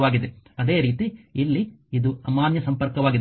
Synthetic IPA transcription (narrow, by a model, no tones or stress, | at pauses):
ʋaːɡid̪eɐd̪e̞ːɾiːt̪iilːiid̪uɐmaːnjɐsɐmpɐɾkɐʋaːɡid̪